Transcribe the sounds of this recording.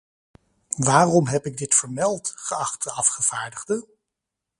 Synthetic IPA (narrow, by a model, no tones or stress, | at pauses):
ʋaːrɔmɦɛpɪɡ̚dɪtfəɹmɛlˠtχəɑχtəɑfχəv̥aːɹdəχdə